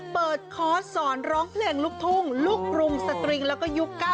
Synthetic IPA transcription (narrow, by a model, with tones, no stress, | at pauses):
pɤː˨˩t̪̚kʰɔː˦˥sɔː˩˦nɾɔː˦˥ŋpʰleː˧ŋluː˦˥˩k̚t̪ʰuː˥˩ŋluː˥˩k̚ɾu˧msa˧t̪ɾi˧ŋlɛ˦˥wkɔː˥˩ju˦˥kːa˧˥˩